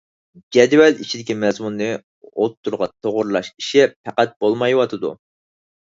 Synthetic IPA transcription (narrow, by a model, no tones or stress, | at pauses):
d͡ʒɛd̪wɛlit͡ʃʰid̪ɪkʲimɛzmunːɨ | ot̪ʰːuɾʁɑt̪ʰoʁʊɾlˠɑʃi̥ʃɛpʰæqæt̪̚b̥olˠmɑjwɑt̪ʰɨd̪ṵ